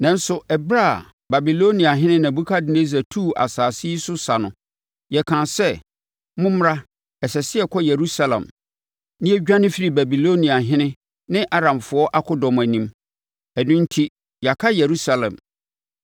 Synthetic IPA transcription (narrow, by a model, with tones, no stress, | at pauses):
nã˨n̩˦sʊ˨ʔɛ˨bɾa˦˨ | ba˨bi˨lo˦nĩ˨a˨ɦɪ̃˦nɪ̃˦nã˨bu˦kʰa˦dɪ˨ne˦s̬a˨tʰuː˦˨ʔa̰˨saː˨si˦sʊ˦sa˨nʊ̃˨ | jɛ˨kʰã˨sɛ˦ | mʊ̃˦m˦ɾa˦ | ɛ˨sɛ˨sɪ˦ɛ˨kʰɔ˦je˨ɾu˦sa˦lã̰˨m | nɪ̃˦ɛ˦ɟᶣã˦nɪ̃˦fi˦ɾi˨bæ˨bi˨lo˦nĩ˨a˨ɦɪ̃˦nɪ̃˦ | nɪ̃˦ʔa˦ɾã˨mfʊ˨˦ɔ˦ʔa˦kʰʊ˦dɔ̃˨m˨æ˨nĩ˨m | ɛ˨nʊ̃˦n̩˦tʰi˦ | ja˨kʰa˦je˨ɾu˦sa˨lɛ̰̃˨m